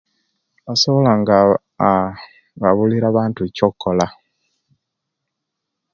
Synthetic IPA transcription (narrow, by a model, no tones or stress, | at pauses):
asoβolaŋɡa | βaβuliɾaːβaːntuecokːola